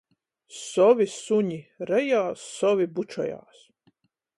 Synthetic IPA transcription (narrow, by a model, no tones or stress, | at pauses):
sɔʋisuɲʲiɾɛjaːsːɔʋibut͡ʃɔ̰ja̰ːs